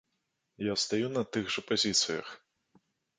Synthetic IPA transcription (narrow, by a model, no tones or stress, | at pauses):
jast̪ajunɐt̪ɨɣʐɐpazʲit̪sɨjɐ̰x